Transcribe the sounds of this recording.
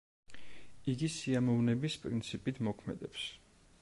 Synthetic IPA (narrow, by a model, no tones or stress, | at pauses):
iɡisiamɔvnɛbispʼɾint̪sʰipʼit̪ʰmɔkʰmɛ̰d̪ɛps